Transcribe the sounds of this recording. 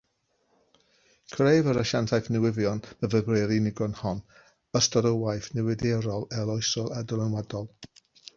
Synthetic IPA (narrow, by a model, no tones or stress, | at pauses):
kʰrejvəɾəʃantʰajfnɛwɪvjɔnəvəbrɛɾinɪɡɔnhɔn | əstɔɾəwajfnɛwɪdɛɾɔlˠɛlˠɔɨsɔlˠadɔlˠənwadɔlˠ